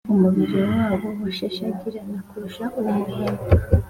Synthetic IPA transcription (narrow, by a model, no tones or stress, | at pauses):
umuβiɾiwaːβoβuʃeʃakiɾanakuɾuʃaʔuβahe